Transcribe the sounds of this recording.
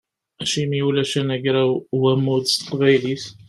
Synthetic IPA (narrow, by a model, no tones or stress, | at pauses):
æʃimiulæʃænæʝɾawæmːud̪st̪ə̥qvæjliθ